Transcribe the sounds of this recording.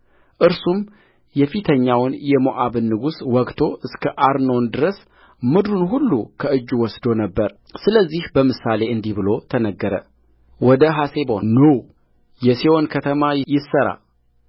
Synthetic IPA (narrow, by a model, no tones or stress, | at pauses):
ʔɨɾsum | jɛfit̪ʰəɲːawnjɛmoʔaβɨnːɨɡuswɔkt̪ʰo̞ʔɨskʰəʔaɾnond̪ɨɾəs | mɨd̪ɾunɦulːukʰəʔɨd͡ʒːuwɔsd̪o̞nəbːəɾ | sɨləzːihbəmɨsale̞ɨnd̪ihbɨlo̞t̪ʰənəɡːəɾə̰ | wɔd̪əɦase̞bo̞̰nəw | jɛsiwonkʰət̪ʰəmajɪsːəɾa̰